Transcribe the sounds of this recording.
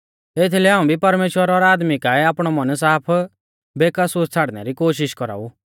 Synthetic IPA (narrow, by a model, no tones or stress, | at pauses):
eːt̪ʰlɛaːũbʱipɐɾmeːʃwəɾɔɾaːd̪mikaɛaːpɽ̃ɔmɐns̬aːpʰ | beːkəsust͡sʰaːɽnɛ̰ɾikoːʃ̬ɪʃkɔɾa̰ːu